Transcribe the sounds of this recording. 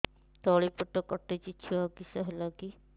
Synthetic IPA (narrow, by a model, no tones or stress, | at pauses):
t̪ɔɭipɔʈɔkɔʈːet͡ʃit͡ʃʰiɔkisɔɦelɔki